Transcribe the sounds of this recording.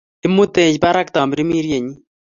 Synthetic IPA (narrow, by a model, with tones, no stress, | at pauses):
ɪ˦mːu˦t̪ẽː˨d͡ʒpa˦ɾa˦k̚t̪aː˨mbɾi˦mi˦ɾje˨ɲi˦